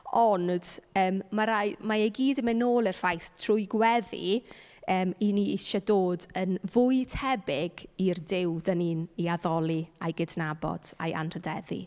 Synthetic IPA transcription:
ɔnd̥əːmmaɾajmaejɡiːdəmɛnoːlˠər̥fajθtʰrʊɨɡwɛðḭ | əːminiɪʃɔdoːdənvʊɨtʰɛbɪɡirdɪwdəniːniaðɔlˠiajɡɪdnabɔ̰d̥a̰jʔa̰nr̥ədɛðḭ

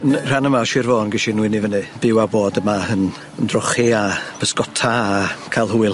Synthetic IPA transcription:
nr̥anəmaɔʃɪrvoːnɡɪʃinwɪnivənɨb̥ɪwaboːdəmaən | əndrɔχiab̥ʰəskɔtʰaːkʰalˠɦuːɨlˠ

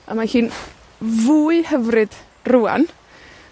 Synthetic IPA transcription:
a̰mahiːn | vuːɨhəvrɨd̥ | ruːa̰n

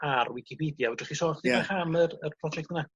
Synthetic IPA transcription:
arwɪkʰipʰidjavɔdəχisoχðiaχamərərpʰrɔd͡ʒɛk̚tna

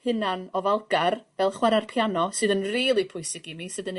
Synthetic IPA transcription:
hɨnanɔvalˠɡarvɛlˠχwɛɾarpʰjanɔsɨːðənriːlˠipʰʊɨsɪɡimisɨːðən

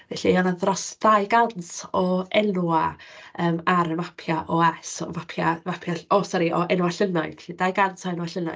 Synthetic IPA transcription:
vɛɬiɔnaðrɔsd̥ajɡansɔɛnuaəːmaɾəmapʰjaʔɔɛsɔ̰mapʰjavapʰjaosɔɾiʔɔʔɛnuwaɬənaɨɬidajɡantɔɛnwaɬəna̰

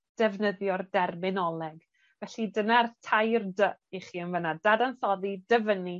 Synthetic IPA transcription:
d̥ɛvnəðjɔrdɛrmɪnɔlˠɛɡ | vɛɬidənartʰajrdəʔiχiːənvənadadanθɔðidəvəni

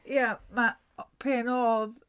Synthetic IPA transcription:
jama | pʰeːnoːð

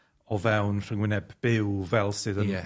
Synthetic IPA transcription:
ɔvɛwnr̥əŋwɪnɛbb̥ɪwvɛlˠsɨðənɛ

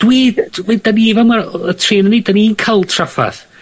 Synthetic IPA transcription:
d̥wiːdvidaniivamaətʰreːnəniːdaniinkʰalˠtʰrafa̰θ

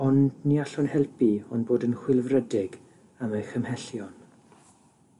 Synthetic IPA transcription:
ɔndniaɬʊnhɛlˠpiɔnboːdənχwɪlˠvrədɪɡ | amajxəmhɛɬjɔn

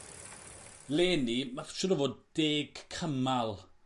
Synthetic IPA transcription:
leːnimafʃʊɾəvoːd̚d̥eːɡ̥kʰəmalˠ

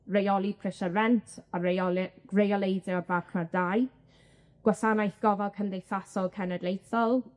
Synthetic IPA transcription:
rejɔlˠipʰrɪʃəɾɛntʰa | rejɔlˠejdɛɔvaχnadaj | ɡ̥wasanajθɡ̥ɔvɛlˠkʰəndejθasɔlˠkʰɛnɛdlˠejθɔlˠ

